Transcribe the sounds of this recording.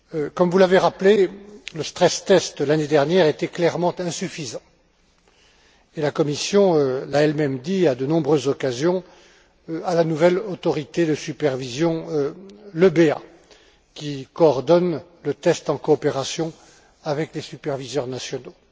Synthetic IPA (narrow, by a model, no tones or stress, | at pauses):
kɔmvulaveʁapleləst̪χɛst̪ɛst̪laned̪ɛʁnjɛʁet̪ɛklɛʁmɑ̃t̪ɛ̃syfizɑ̃ | elakɔmisjɔ̃ølaɛlmɛmd̪iad̪ənɔ̃bʁøzːɔkazjɔ̃ | alanuvɛlot̪ɔʁit̪ed̪əsypɛʁvizjɔ̃øləbea̰ | kʲikɔːʁd̪ɔn | lət̪ɛst̪ɑ̃kɔːpeʁasjɔ̃ | avɛklesypɛʁvizœʁnasjɔno